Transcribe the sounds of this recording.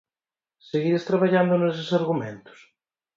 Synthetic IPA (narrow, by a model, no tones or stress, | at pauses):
seɣiɾest̪ɾaβaʎand̪ʊnes̬ɪsaɾɣumḛ̃nt̪ʊ̥s